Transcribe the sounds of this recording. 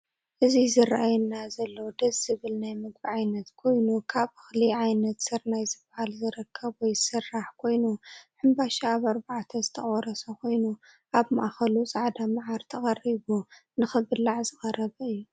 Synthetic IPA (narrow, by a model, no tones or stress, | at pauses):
ʔɨzizɨraʔajɛnːazɐlːɐwd̪ɐzːɨβɨlnajmɨɡbiʕajnɐt̪kʰo̞jnukʰaβɨxliʕajnɐt̪sɨɾnajzɨbahalzɨɾɨkʰːɐbwɔjsɨrːaħkʰo̞jnuħɨmbaʃaːβaɾbaʕt̪ʰɐzɨt̪ʰɐχʼɔɾɐsɐkʰo̞jnu | ʔaβma̰ʔxɐlusʼaʕd̪amaʕaɾt̪ʰɐxʼɐriβunɨxɨbɨlːaʕzɨxʼɐrɐβɐɨjːu